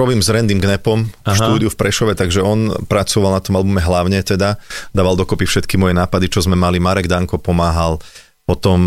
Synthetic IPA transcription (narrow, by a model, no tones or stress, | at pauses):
ɾɔbiːmzɾɛnd̪imɡnɛpɔmʃtuːd̪iufpɾɛʃɔʋɛt̪aɡʒɛɔnpɾat͡sɔʋalˠnat̪ɔmalbumɛɦlaʊɲɛt̪ɛd̪ad̪aːʋalˠd̪ɔkɔpifʃɛt̪kimɔjɛnaːpad̪it͡ʃɔzmɛmalimaɾɛɡd̪aŋkɔpɔmaːɦal | pɔt̪ɔm